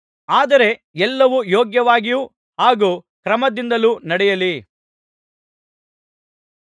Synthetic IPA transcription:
aːd̪ɐɾe̞ | ɛlːɐʋujoːɡjɐʋaːɡiju | ɦaːɡuːkɾɐmɐd̪ind̪ɐlunɐɽɛjɐli

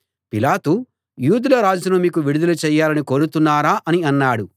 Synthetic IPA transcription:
pilaːt̪u | juːd̪ulɐɾaːd͡ʒunumiːkuʋiɽud̪ɐlut͡ʃɛːjːaːlɐniko̞ːɽut̪unːaːɾaːʔɐniɐnːaːɽu

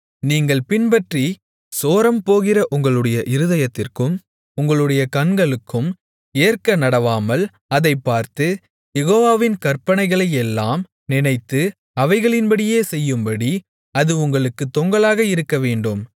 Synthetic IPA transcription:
niːŋɡɐɭpɪnbɐʈri | soːɾɐmpoːɣɪrɐʔʊŋɡɐɭɯɽɐjɐʔɪɾɯðɐjɐt̪ːɪrkɯm | ʊŋɡɐɭɯɽɐjɐkɐɳɡɐɭɯkʰːɯm | eːrkɐnɐɽɐʋaːmɐl | ɐðɐɪpːaːɾt̪ɯ | jɛɣoːʋaːʋɪnkɐrpɐɳɐɪɣɐɭɐjɛlːaːm | nɪnɐɪt̪ːɯ | ɐʋɐɪɣɐɭɪnbɐɽɪjeːsɛjːɯmbɐɽi | ɐðɯʊŋɡɐɭɯkːɯt̪ːɔŋɡɐɭaːɣɐɪɾɯkːɐʋeːɳɖɯm

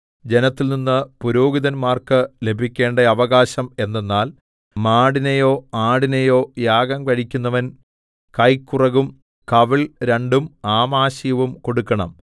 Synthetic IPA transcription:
d͡ʑe̞nɐt̪ːilninːɨpuɾo̞ːɡiðɐnmaːrkɨle̞bʱikʲːe̞ːɳɖɐɐʋɐɣaːɕɐme̞nːenːaːl | maːɽinɐjo̞ːaːɽinɐjo̞ːjaːɡɐmkɐɻikʲːunːɐʋɐn | kɐjkːurɐɣum | kɐʋiɭɾeɳɖumaːmaːɕijɐʋumko̞ɽukːɐɳɐ̰m

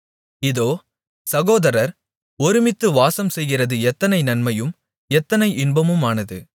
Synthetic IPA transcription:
ɪðoː | sɐɣoːðɐɾɐɾ | ɔɾɪmɪt̪ːɯʋaːsɐmsɛjɣɪrɐðɯɛt̪ːɐnɐɪnɐnmɐjɯm | ɛt̪ːɐnɐɪʔɪnbɐmɯmaːnɐðɯ̰

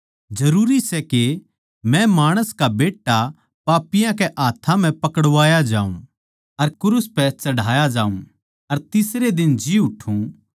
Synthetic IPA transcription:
d͡ʒɐɾuːɾisɛke | mɛ̃maːɽ̃əskabeːʈːa | paːpɪjãkɛʔaːt̪ʰãm̤ɛ̃pɐkəɽʋaːjad͡ʒaːṵ̃ | ɐɾkʊɾʊspɛt͡ʃɐɽ̤ʱaːjad͡ʒaːũ | ɐɾt̪ɪsɾed̪ɪnd͡ʒiʊʈʰũ

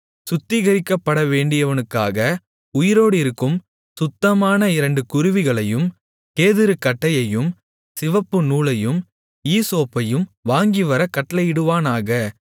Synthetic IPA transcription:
sʊt̪ːɪɣɐɾɪkːɐpːɐɽɐʋeːɳɖɪjɐʋɐnɯkːa̰ːɣɐ | ʊjɪɾoːɽɯɪɾɯkːɯm | sʊt̪ːɐmaːnɐɪɾɐɳɖɯkʊɾʊʋɪɣɐɭɐjɯm | keːðɪɾɯkːɐʈːɐjɐjɯm | sɪʋɐpːɯnuːɭɐjɯm | iːsoːpːɐjɯmʋaːŋɡiʋɐɾɐkɐʈlɐjɪɽɯʋaːnaːɣɐ

